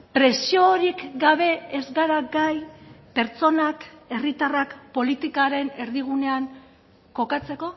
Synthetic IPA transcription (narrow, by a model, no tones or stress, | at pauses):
pɾe̞sio̞ɾikɡaβ̞e̞ezɡaɾaɡajpe̞ɾt͡so̞nake̞rit̪arakpo̞lit̪ikaɾe̞ne̞ɾðiɣ̞une̞aŋ | ko̞kat͡se̞ko̞